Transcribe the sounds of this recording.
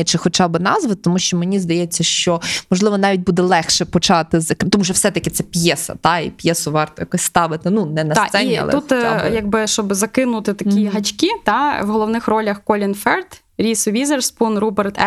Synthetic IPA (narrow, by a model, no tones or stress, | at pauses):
t͡ʃɪxɔt͡ʃɑbɪnɑzʋɪt̪t̪ɔmuʃt͡ʃɔmenʲizd̪ɐjɛt͡sʲːɐʃt͡ʃɔmɔʒlˠɪʋɔnɑʋʲit̚ʲbud̪ɛlˠɛxʃɛpɔt͡ʃɑt̪ɪzɐkt̪ɔmuʒɛwsɛt̪ɐkʲɪt̪sɛpʲjɛsɐ̰t̪ɑḭpʲjɛsʊʋɑrt̪ɔjɐkɔsʲst̪ɑʋɪt̪ɪnunɛnɐssɛiniɑ̰lˠɛut̪jɐɡ̚bɪʃt͡ʃɔbzɐkɪnʊt̪ɪt̪ɐkʲiɦɐt͡ʃʲkʲit̪ɑʋɦɔlˠɔʋnɪxrɔlʲɐxkɔlʲinfɛrt̪ | ɾʲisʊʋʲizerspunrubɛrt̪ɛ